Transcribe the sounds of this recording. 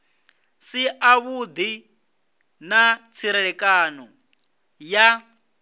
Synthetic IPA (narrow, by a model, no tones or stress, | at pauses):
siaβud̪i | nat͡sʰiɾɛɺɛkʼanɔ | ja